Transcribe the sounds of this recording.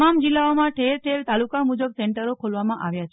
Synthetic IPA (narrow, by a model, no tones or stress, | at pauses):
amd͡ʒilːaomãʈʰelʈʰelt̪alukamud͡ʒəbseɳʈəɾokʰolʋamãʔaʋjat͡ʃʰ